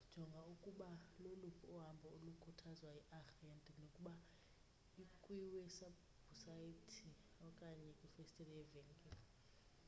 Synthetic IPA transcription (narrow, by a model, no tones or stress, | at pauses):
d̥ʒ̥ʱɔŋɡʱaukʼuɓalolupʰuɔɦambʱɔolukʰutʰazwaɛʔaxiandʱʼnokʼuɓa | ikʼwiwɛsa | busaitʰi | ɔkʼaɲɛkʼufɛstʼɛlɛɛvɛŋɡʼɛl